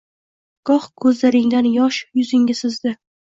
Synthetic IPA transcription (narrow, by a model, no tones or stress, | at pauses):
ɡ̥ɒχkʰɵzlaɾɪŋd̪anjɒʃjʊzɪŋʲɪsɪzd̪ɪ